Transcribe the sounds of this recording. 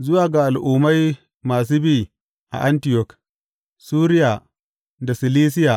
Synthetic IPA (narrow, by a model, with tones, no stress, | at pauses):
zʊ˦waː˨ɡa˨ʔa˨lʔuː˨ma˦j | maː˨s̬u˦biː˦˨ | ʔa̰˨ʔa˦ntɪ˦jɔ˨k | suː˦ɾɪ˦ja˨ | da˨sɪ˨liː˦s̬ɪ˦jaː˨